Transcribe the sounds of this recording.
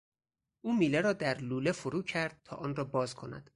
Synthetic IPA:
ʔuːmiːleɾɒːd̪æɾluːlefoɾuːcʰæɾd̪̥̚t̪ʰɒ̰ːʔɒːnrɒːbɒːzkʰo̞næ̰d̪̥

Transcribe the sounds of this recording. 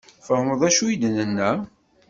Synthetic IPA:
fəhməðˤæʃujid̪ənənːæ

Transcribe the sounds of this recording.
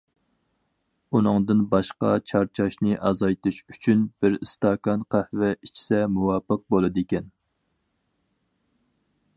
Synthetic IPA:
unɨŋd̪ɨnbɑʃqɑ̰t͡ʃʰɑɾt͡ʃʰɑʃnɨʔɑzɑjt̪uʃyt͡ʃʰynb̥ɪɾɨst̪ɑkɑnqʰæhvɛit͡ʃʰi̥sɛmuwɑːpəq̚bolˠɨd̪kʲɛn

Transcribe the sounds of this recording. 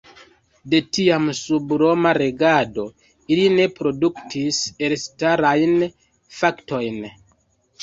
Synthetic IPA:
de̞tiamsubɾo̞maɾe̞ɡado̞ | iline̞pɾo̞duktʰise̞lstaɾajn | fakto̞jn

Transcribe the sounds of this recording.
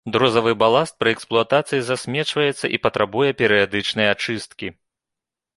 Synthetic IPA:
d̪ɾɔzɐvɨbalˠast̪̚pɾɨɛksplˠuat̪at̪sɨjizasʲmʲɛt͡ʂvɐjɛt̪sːɐ̰ʔipɐt̪ɾʔabujɛpʲɛɾɨjad̪ɨt͡ʂnɨjɛat͡ʂɨst̪kʲi

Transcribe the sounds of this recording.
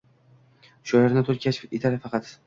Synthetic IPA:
ʃɒjaɾnɪt̪ʰoɾkʲat͡ʃet̪ʰaɾɪfɑqɑt̪

